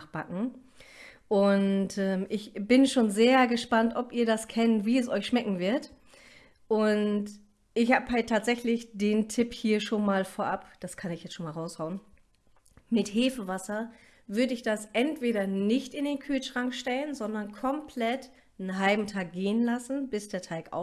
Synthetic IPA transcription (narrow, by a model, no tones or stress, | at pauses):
χb̥akŋ̩ | ʔʊntʔɛːmʔɪçb̥ɪnʃoːnzeːɐɡəʃpantʔɔpʔiːɐdaskʰɛntviːɛsʔɔʏçʃmɛkŋ̩vɪɐt | ʔʊnt | ʔɪçhaːbɦaltʰːaːtz̥ɛçlɪçd̥eːntʰɪphiːɐʃoːnmaːlfoːɐʔapd̥askʰanɪçjɛt͡stʃoːnmaːlʁaʊshaʊən | mɪtheːfəvasɐ | vʏɐdəɪçd̥asʔɛntv̥eːɾɐnɪçtɪndeːnkʰyːlʃʁ̥aŋkʃtɛlənzɔndɐnkʰɔmpʰlɛt | n̩ɦalbm̩tʰaːk̚ɡ̥eːənlasn̩bɪsd̥eːɐtʰaɪkʔa̰ʊ